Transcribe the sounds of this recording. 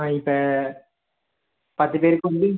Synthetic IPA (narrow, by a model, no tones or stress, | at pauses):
ɪpːɐ | pɐt̪ːɯpeːɾɯkːɯuɳbi